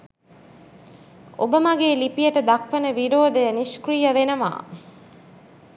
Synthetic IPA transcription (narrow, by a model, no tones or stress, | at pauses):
o̰bəmɐɡeːlipijəʈəd̪ɐkʋenəʋiɾoːd̪ejəniskrijəʋenəma̰ː